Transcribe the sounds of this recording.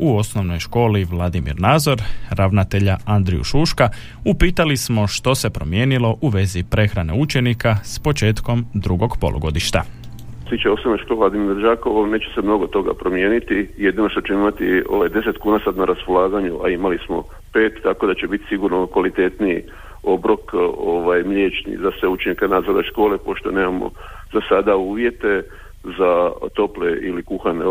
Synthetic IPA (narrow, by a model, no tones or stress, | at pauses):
uo̞sno̞ʋno̞jʃko̞ːliʋlˠad̪imḭɾnaːzo̞ɾɾaʋnat̪e̞ʎaand̪ɾijṵʃuːʃka | upiːt̪alismo̞ʃt̪o̞se̞pɾo̞̰mje̞ːnilo̞ʔuʋe̞zipɾe̞xɾane̞̰ut͡ʃe̞nikaspo̞t͡ʃe̞ːt̪ko̞md̪ɾuɡo̞ɡpo̞lʔo̰ɡo̞̰d̪iʃt̪a̰ | t̪it͡ʃaeo̞snonojʃkolelad̪imiɾad͡ʒaːkoʋone̞ːt͡ʃe̥semno̞ɡot̪o̞ɡa̰pɾomje̞ːnit̪ije̞d̪ino̞ʃt̪ot͡ɕeimat̪ioʋajd̪e̞se̞t̪kuːnasad̪naɾaspolˠaːɡaɲuʔa̰imalismo̞̰ | pe̞ːt̪ːako̞d̪at͡ɕebit̪i̥siɡuɾnokʋalit̪e̞ːt̪niː | o̞bɾo̞koʋajmʎeːt͡ʃnḭzasʋeut͡ʃeɲakenaːzadeʃko̞ːlepo̞ʃt̪o̞neːmamo̞̰zasad̪auːʋje̞t̪e̞ | zat̪o̞pleʔḭlikuxane